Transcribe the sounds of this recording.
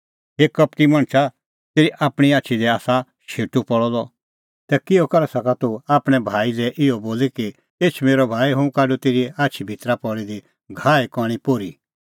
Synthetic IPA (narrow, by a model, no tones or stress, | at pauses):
ɦeːkɐp̚t̪imɐ̃ɳ̃t͡ʃʰa | t̪eːɾiʔaːpɽ̃iaːt͡ʃʰid̪ɛaːsa | ʃʰeːʈupɔɭɔlɔ | t̪ɛkɪjɔkɐɾasɐkat̪uaːpɽ̃ɛbʱaːilɛʔɪɔboːliki | eːt͡ʃʰmeːɾɔbʱaːiɦũkaːɖut̪eːɾiaːt͡ʃʰibʱit̪ɾapɔɽid̪i | ɡʱaːikɔːɽ̃ipoːɾi